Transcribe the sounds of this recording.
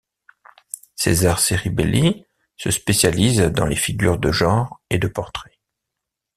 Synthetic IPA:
sḛzaʁseʁibḛli | səspesjalizd̪ɑ̰̃lefiɡʲyʁd̪əʒɑ̃ʁed̪əpɔʁt̪χe̥

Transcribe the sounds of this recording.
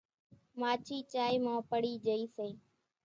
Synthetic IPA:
maːt͡ʃʰiːt͡ʃaːiːmãːpəɽiːd͡ʒəiːsẽː

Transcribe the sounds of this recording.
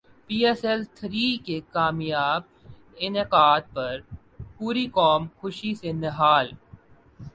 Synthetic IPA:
piːɛsɛlt̪ʰɾiːkekaːmjaːb̚ | ɪneqaːd̪̚pɐɾ | puːɾikɔːmxʊʃisenɪɦaːl

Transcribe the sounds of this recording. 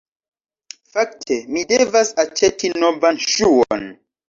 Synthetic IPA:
fak̚tʰemidevasat͡ʃetʰinovanʃuon

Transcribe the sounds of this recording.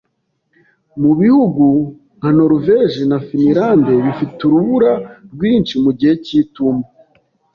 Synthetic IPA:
muβihuɡu | ŋ̥ano̞ɾveʒinafiniɾaːnde̞βifituɾuβuɾaɾɡwiːnt͡ʃimuɟiheciːtuma

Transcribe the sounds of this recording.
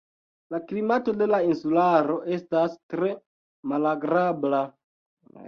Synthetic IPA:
laklimato̞de̞lainsulaɾo̞ʔe̞stastɾe̞ | malaɡɾabla

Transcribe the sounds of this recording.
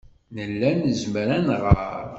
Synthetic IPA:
nəlːænəzmɾænʁə̰ɾˤ

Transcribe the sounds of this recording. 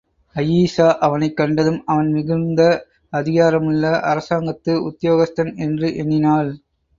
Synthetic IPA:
ɐjiːsaːʔɐʋɐnɐɪkːɐɳɖɐðɯmɐʋɐnmɪɣɯnd̪ɐ | ɐðɪɣaːɾɐmɯɭːɐʔɐ̰ɾɐsaːŋɡɐt̪ːɯʊ̰t̪ːɪjoːɣɐst̪ɐnɛndrɯʔɛnːɪnaːl

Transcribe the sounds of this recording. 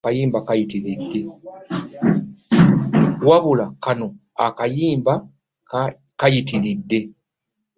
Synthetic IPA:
kajiːmbakajitiɾidːe̞ | waβulakano̞ | a̰kajiːmba | kajitiɾidːe̞

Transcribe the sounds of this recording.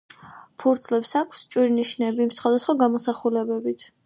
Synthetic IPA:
pʰuɾd̪sʰlɛpsakʷʰst͡ʃʼwiɾniʃnɛbiːmsχwad̪asχwaɡamɔsaχulɛbɛbit̪ʰ

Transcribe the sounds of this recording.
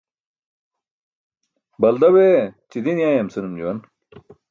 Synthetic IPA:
bɐld̪ɐwet͡ɕid̪injaːjɐmsɨnumd͡ʑuwɐn

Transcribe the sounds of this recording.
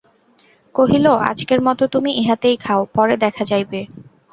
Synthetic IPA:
koɦiloʔa̰d͡ʑkeɾmɔt̪ot̪umiʔeɦat̪ejkʰaopɔɾed̪ɛkʰad͡ʑajbe

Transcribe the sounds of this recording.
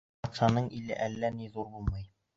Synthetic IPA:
ɑt̪ʃɑnɤɴilɘ̰ʔælːæniðuɾbulˠmɤj

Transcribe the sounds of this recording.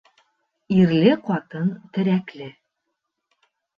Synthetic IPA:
iɾlɘqɒt̪ɤnt̪ɘ̆ɾæklɘ

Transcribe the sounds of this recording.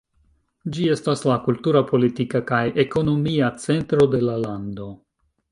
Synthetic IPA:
d͡ʒie̞staslakultuɾapʰo̞litikakajeko̞no̞miat͡se̞ntɾo̞de̞lalando̞

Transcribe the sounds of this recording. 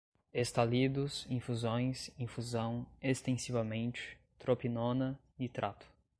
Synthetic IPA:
est̪alid̪ʊsĩfuzõj̃sĩfuzɐ̃w̃est̪ẽsivɐmẽnt͡ʃɪ̥ | t̪ɾopinõnɐ | ɪt̪ɾʔat̪ʊ̥

